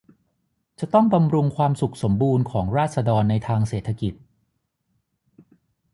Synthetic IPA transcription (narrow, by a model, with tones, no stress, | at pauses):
t͡ɕa˨˩t̪ɔ˥˩ŋba˧mɾu˧ŋkʰwaː˧msu˨˩k̚so˩˦mbuː˧nkʰɔː˩˦ŋɾaː˥˩t̪̚sa˧dɔː˧nːa˧jt̪ʰaː˧ŋseː˨˩t̪ʰːa˧ki˨˩t̪̚